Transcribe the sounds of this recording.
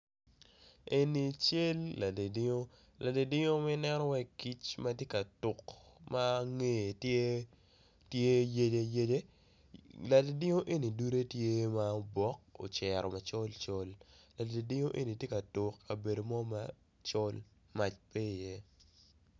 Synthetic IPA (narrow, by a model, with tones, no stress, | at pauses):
e˨ni˨t͡ʃe˦lːa˨de˨dɪ˦o˦ | lʔa˨de˨dɪ˦ŋo˦mɛ˦nɛ˦nɔ˦wɛ˦ki˦t͡ʃma˦tje˦ka˨tʊ˨kma˦ŋe˦e˨t | tje˦je˦d͡ʒe˦je˦d͡ʒe˦ | la˨de˨dɪ˦ŋo˦ʔe˦ni˨du˦ɾe˦tje˦ma˦bɔ˦k̚o̰˨t͡ʃɛ˨ɾɔ˨ma˨t͡ʃɔ˦lt͡ʃo˦lla˨dde˨dɪ˦ŋo˦ʔe˦ni˨tje˦ka˨tʊ˨kːa˨be˨do˨mɔ˦ma˦ | t͡ʃɔ˦l | ma˨t͡ʃpe˦i˨je˦